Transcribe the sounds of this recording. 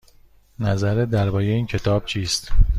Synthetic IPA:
næzæɾed̪æɾbɒːjeiːncʰe̞t̪ʰɒːb̥̚t͡ʃʰiːst̪

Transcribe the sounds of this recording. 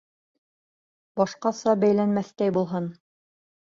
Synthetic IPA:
bɑʃqɑsɑbæjlænmæθt̪æjbulˠɦɤn

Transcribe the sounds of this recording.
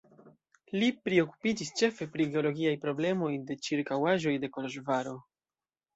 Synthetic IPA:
lipɾio̞ku̥pid͡ʒist͡ʃe̞fe̞pɾiɡe̞o̞lo̞ɡiajpɾo̞ble̞mo̞jde̞t͡ʃiɾkawaʒo̞jde̞ko̞loʃvaɾo̞

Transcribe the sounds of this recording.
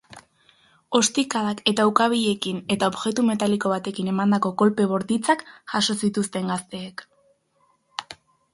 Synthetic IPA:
o̞st̪ikaðake̞t̪awkaβiʎe̞kine̞t̪aoβʝe̞t̪ume̞t̪aliko̞β̞at̪e̞kine̞mand̪ako̞ko̞lpe̞β̞o̞ɾt̪it͡sakʝaso̞sit̪ust̪e̞ŋɡast̪e̞ːk

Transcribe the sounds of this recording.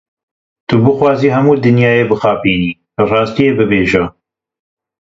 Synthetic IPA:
t̪ʊbɨxwɑːziːɦɛmuːd̪ɨnjɑːjeːbɨxɑːpiːniː | rɑːst̪ijeːbɨbeːʒɛ

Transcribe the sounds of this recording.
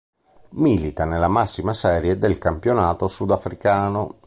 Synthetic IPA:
miːlit̪anelamasːimasɛːɾjɛd̪elkampjonaːt̪osud̪afɾikaːno

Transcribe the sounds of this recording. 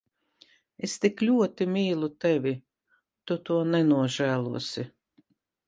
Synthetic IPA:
est̪iklʲuɔt̪imiːlˠut̪ɛvʲi | t̪ut̪uɔnɛnuɔʒæːlˠṵɔsi

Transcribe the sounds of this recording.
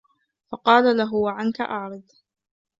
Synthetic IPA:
fɑqɑːlalaɦʊwaʕanka̰ʔɑʕɾˤɨd̪

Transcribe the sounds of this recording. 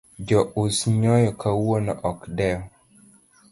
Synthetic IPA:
d͡ʒɔʔusɲɔjɔkʰawonɔʔɔkdɛɔ

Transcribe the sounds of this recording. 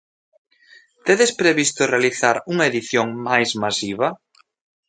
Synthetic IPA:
t̪eðespɾeβist̪ʊrealiθaɾuŋaeðiθjoŋmajzmasiβɐ

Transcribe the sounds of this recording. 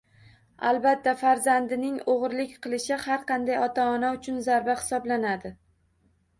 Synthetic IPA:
a̰lˠbat̪ʰːafaɾzand̪ɪnɪŋoʁɾlɪkʲqʰɨlˠɪʃɪhaɾqʰɑnd̪ajɒt̪ʰaːnaʊt͡ʃʰʊnzaɾbahɪ̥sɒblanad̪ɪ

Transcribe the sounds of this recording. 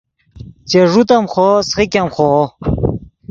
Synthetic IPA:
t͡ɕeʐut̪amχosχikʲamχo

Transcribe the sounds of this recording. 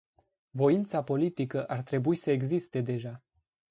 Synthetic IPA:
vo̞int̪sapo̞lit̪ikəʔart̪ɾe̞buisəeɡzist̪e̞d̪e̞ʒa

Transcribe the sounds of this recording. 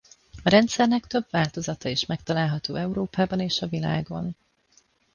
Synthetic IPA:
ɒɾɛnt̪sɛrnɛkt̪ø̞bvaːlt̪o̞zɒt̪ɒiʃmɛkt̪ɒlaːlɦɒt̪oːɛuɾoːpaːbɒneːʃɒvila̰ːɡo̞̰n

